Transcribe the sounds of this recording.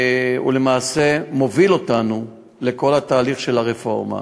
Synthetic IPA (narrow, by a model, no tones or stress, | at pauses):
ṵle̞maːse̞mo̞vilo̞tanu | le̞ko̞lhat̪aːliχʃe̞laʁefo̞ʁma̰